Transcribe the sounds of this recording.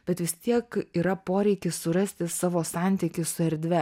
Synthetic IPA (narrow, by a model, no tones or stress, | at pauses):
b̥ʲɛt̪ʋʲɪst̪ʲiɛkiːɾɐpoːɾʲɛɪkʲɪssʊɾɐsʲt̪ʲɪsɑːʋoːsɑˑnʲt̪ʲɪkʲɪsʊɛɾʲd̪ʲʋʲɛ